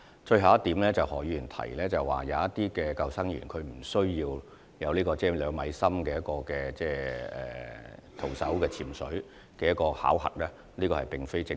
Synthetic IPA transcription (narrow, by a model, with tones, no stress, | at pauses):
t͡ʃɵ˧ɥɦɐ˨˧wɐ˥t̪iː˨˥mlɛː˥t͡sɐ˨whɔː˨˩jy˨˩nt̪ʰɐ̰˨˩jlɛː˥t͡sɐ˨˩wwa̰ː˨˩jɐ˨˧ɐ˥t̪ːiː˥kɛː˧kɐ˧wsɐ˥ŋjy̰ː˨˩nkʰɵ˨˧ɥm̩˨˩sɵ˥ɥjiː˧w | jɐ˨˧wliː˥kɔː˧t͡sɛː˥˩lœː˨˧ŋmɐ˨˧jsɐ˥mkɛː˧jɐ˥tkɔː˧kɛː˧t͡sɛː˥ɛ̰ː˨t̪ʰo˨˩wsɐ̰˨˥wkɛː˧t͡sʰiː˨˩msɵ̰˨˥ | kɛː˧jɐ˥t̚kːɔː˧ha̰ː˨˥whɐ̰˨˩t̚lɛː˥ | liː˥kɔː˧hɐ˨jpɪ˨ŋfe˥jt͡sɪ˧